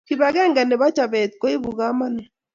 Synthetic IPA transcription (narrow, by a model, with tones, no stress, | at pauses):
ki˨βa˨ɣɛ˦ŋɡa˨ne˨βa˦t͡ʃa˨βɛ˨t̪ko˦i˦βu˨ɣa˦ma˦ne˨